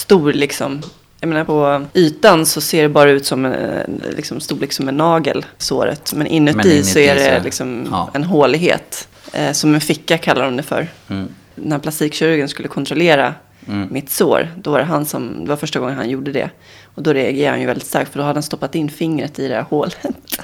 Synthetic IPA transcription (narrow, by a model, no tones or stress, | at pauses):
st̪uːɾlɪksɔ̰m | jajmeːnaɾpʰɔyːt̪ansɔseːɖɛbɑːɾaʉ̟ːt̪sɔmɛ̰lɪ̰ksɔmst̪uːlɪksɔmɛnːɑːɡə̰lso̰ːɾə̰t̪mɛnʔɪnːɵt̪ːiːsɔæɖɛlɪksɔmɛnɦoːlɪɡɦḛːt̪ | sɔmɛnfɪkːakʰalːaɾɔmd̪ɛfœ̰ɾ | d̪ɛnhæɾpʰlast̪iːkɕœɾɡənskɵlːəkʰɔnt̪ɾɔleːɾa | mɪt̪so̰ːɾd̪ɔvaɾɛɦansɔmd̪ɛvaɾfœʂʈaɡɔŋːənha̰njuːɖəd̪ɛ̰ | ɔd̪ɔɾɛaɡəha̰njʏvɛldɪt̪st̪a̰ɾk̚t̪fœɖɔhad̪d̪ɛnst̪ɔpːat̪ɪnːfɪŋɾət̪ɪd̪ɛhæɾhoːlət̪